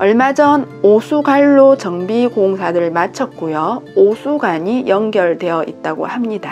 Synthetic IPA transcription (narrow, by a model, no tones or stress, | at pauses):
ʌɭmad͡ʑʌn | osʰuɡaɭːot͡ɕʌŋbiɡoŋsʰadɯɭmat͡ɕʰʌt̚k͈ojʌosʰuɡaɲijʔʌŋɡjʌɭdwe̞jʌʔit̚t͈aɡo̰hamɲida